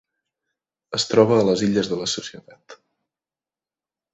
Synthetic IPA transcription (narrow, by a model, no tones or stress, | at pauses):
əst̪ɾɔβ̞əːləziʎəzðələsusiət̪at̪